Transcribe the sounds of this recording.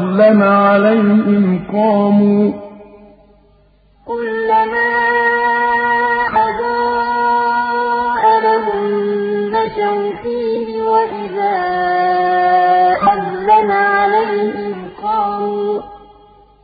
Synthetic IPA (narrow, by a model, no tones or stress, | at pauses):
lːamaʕalajhɪmqɑːmuː | kʊlːamaː | ʔaðaː | ʔadamʊmnaʃawt̪iːnɪwaʔɪðaː | ʔalːamaʕalajhɪmqɑːmuː